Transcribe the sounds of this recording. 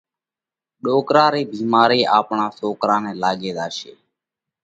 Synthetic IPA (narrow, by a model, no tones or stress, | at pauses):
ɗoːkɾãːɾiːbiːmaːɾiːʔaːpɳãːsoːkɾãːnɛ̃ːlaːɠeːɗ̪aːʃḛː